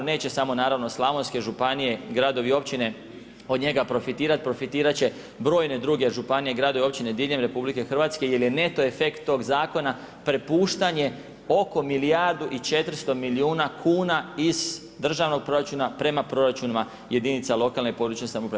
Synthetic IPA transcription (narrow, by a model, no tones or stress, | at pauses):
ne̞ːt͡ɕe̞samo̞naːɾaʋno̞slˠamonske̞ʒupanije̞ɡɾad̪o̞ʋio̞pt͡ɕine̞ | od̪ɲe̞ɡapɾo̞fit̪iːɾat̪̚pɾo̞fit̪iːɾat͡ɕe̞ | bɾo̞ːjne̞d̪ɾuɡe̞ʒupanijeɡɾad̪o̞ʋio̞pt͡ɕine̞d̪iʎemɾe̞publike̞xr̩ʋaːt̪ske̞je̞lje̞ne̞t̪o̞e̞fe̞kt̪ːo̞ɡzaːko̞na | pɾe̞puːʃt̪aɲe̞ | o̞ko̞milijaɾd̪uʔit͡ʃe̞t̪ɾst̪o̞miliuːnakʰuːnaiz̥ | d̪r̩ʒaʋno̞ɡ̚pɾo̞ɾat͡ʃunapɾe̞mapɾo̞ɾat͡ʃunima | je̞d̪init̪salo̞kalnepo̞d̪ɾuːt͡ɕesamopɾa